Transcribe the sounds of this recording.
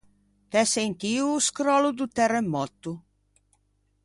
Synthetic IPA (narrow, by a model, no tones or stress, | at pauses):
t̪ɛsɛjnt̪iuskɾɔlud̪ut̪ɛrɛmːɔt̪ːu